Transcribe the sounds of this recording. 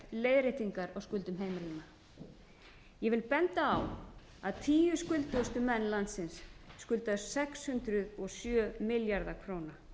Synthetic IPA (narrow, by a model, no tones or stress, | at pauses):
leːjðɾet̪iŋkaɾɔɣwskʏlt̪ʏmɦeːjmalina | jɛvɪlpɛnt̪aːw | aðt̪ʰiːjʏskʏlt̪ʏst̪ʏmɛnːlant̪sɪnsːkʏlt̪aðʏ̥sɛkshʏnt̪ɾʏðɔsjœːmɪljaɾðakʰɾoːwna